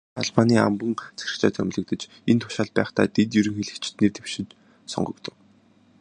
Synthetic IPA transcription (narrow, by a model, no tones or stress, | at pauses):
a̰ɮpaniːa̰mpə̆ŋt͡sʰæ̥ɾʲɪ̆xt͡ɕa̰ːt̪ʰæ̰mʲɮɘ̆k̚t̪ə̆t͡ɕ | ent̪ʰʊ̥ʃaːɮ̚pæ̰ːχt̪ʰaːt̪et̪jɵɾɘ̆ŋxeɮɘ̆kt͡ɕ̆t̪nert̪ʰew̥ʃɪ̆t͡ɕ | sɔ̰ɴɢɞ̆kt̪ɞ̆w